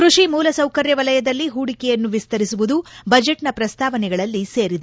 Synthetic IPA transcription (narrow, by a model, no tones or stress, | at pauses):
kɾuʂimuːlɐsɐwkɐɾjɐʋɐlɐjɐd̪ɐlːiɦuːɽikɛjɐnːuʋist̪ɐɾisuʋud̪ubɐd͡ʒeʈnɐpɾɐst̪ʰaːʋɐnɛɡɐɭɐlːiseːɾid̪e